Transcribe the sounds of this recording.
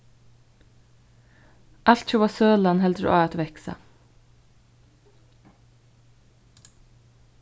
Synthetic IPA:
ʔɑlt̪çuːʋɑːsøːlɑnhɛld̪ɾ̰ʔɑ̰ːɑt̪ʋɛksɑ̰

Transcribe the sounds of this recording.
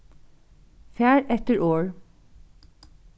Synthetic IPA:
fjæːɹʔɛt̪əɹʔoːɹ

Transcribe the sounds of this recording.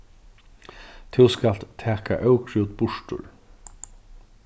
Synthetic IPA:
t̪ʰɪwskal̥t̪t̪ʰæːka̰ʔœʊkʰɾɪwt̪̚bʊʂtʊ̰ɹ

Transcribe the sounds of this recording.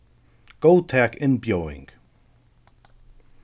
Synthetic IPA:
ɡ̥ot̪ʰɛkɪnbjoːɪ̰̃ŋɡ̥

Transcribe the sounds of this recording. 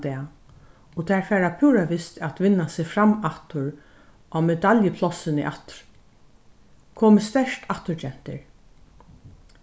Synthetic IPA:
d̪ɛː | ɔt̪ʰɛːɹfɛːɹapʰuːɾaʋɪst̪at̪ʋɪnːasɪfɾamat̪ʊɹ | ʔamɛd̪aljəpʰlɔsɪnɪ̰ʔa̰t̪ɾ | kʰoːmɪst̪ɛʂt̪ʰaht̪ʊɹd͡ʒɛn̥t̪ɪ̰ɹ

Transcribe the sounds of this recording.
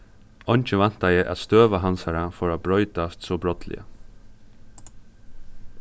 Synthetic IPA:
ɔɲt͡ʃəʋan̥t̪ajɛʔa̰t̪st̪øːʋaɦansaɹafɔɹabɾɔʏt̪ast̪sɔbɾɔt̪lɪ̰ə̰

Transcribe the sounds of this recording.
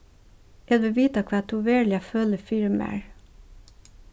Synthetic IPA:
jæd̪ʋɪʋiːt̪ɑkʰʋɑːt̪ʰuːʋeːɭɪɑføːləfɪɾmæ̰ɹ

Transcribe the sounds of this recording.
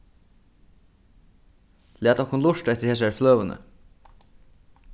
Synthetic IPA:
læːt̪ɔhkːʊnlʊʂt̪ɛt̪ːɪ̥ɾheːs̬æɹfløːʋənə̰

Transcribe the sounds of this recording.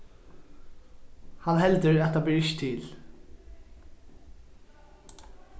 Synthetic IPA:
hɑnhɛld̪əɹɑt̪̚d̪ɑːbliːɪçt̪ʰil

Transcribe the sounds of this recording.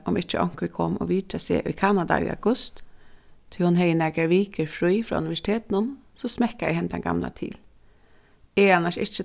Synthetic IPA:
ʔɔmɪt͡ʃəʔɔŋ̥kɾəkʰɔmɔ̰ʋiːtasḛːʔʊkʰanad̪a̰ʔʏ̰ːa̰ɡʊst̪ʰː | ɪlhʊnɦɛjənɛkaɾʋiːkəɾfɹiːfɾɔ̰ːʉ̰nɪʋɛʂɪ̥t̪ʰeːt̪nʊnsɔsmɛhkaɛɦɛmt̪ʰɛ̰nɡ̥a̰mla̰t̪ʰḭːl | ɛanːaʂɪt͡ʃə

